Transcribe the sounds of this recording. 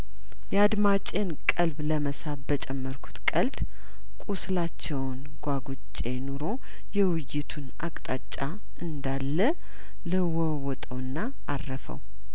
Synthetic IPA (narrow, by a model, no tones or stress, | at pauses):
jɛad̪mat͡ʃʼenkʼəlbləməsabət͡ʃʼɛmːəɾkʰu̥t̪kʼəld̪ | kʼuslat͡ʃːɛwn | ɡʷaɡut͡ʃʼːe̞noɾo̞ | jɛwɪjːɪt̪ʰunʔa̰kʼt̪ʼat͡ʃʼːa | ɨnd̪alːə | ləwɔ | wɔt̪ʼəwɨnːaːrːəfə̰w